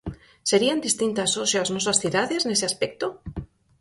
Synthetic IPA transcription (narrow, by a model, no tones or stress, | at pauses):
se̞ɾiand̪ist̪int̪asosjaznwesasθjuðaðe̞sne̞seaspek̚t̪o